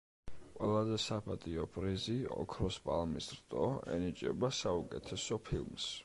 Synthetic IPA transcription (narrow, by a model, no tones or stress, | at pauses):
wɛlˠazɛsapʰʼat̪ʼiɔbʰʼɾiziɔ̰kʰɾɔspʼalˠmisɾt̪ʼɔɛ̰nit͡ʃʼɛ̰basaukʼɛt̪ʰɛsɔpʰilˠms